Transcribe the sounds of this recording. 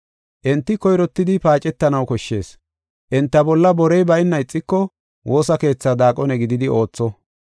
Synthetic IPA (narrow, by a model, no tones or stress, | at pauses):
ʔɛnt̪ːɪkɔjɾɔt̪ːɪd̪ɪpaːt͡ʃʼɛt̪ːɐnɐwkɔʃːe̞ːs | ʔɛnt̪ːɐbɔlːɐbɔɾɛjbɐjɪnːɐɪt͡sʼːɪkːɔ | wo̞ːsɐke̞ːt͡sːad̪aːkʼɔnɛɡɪd̪ɪd̪ɪo̞ːt͡sːɔ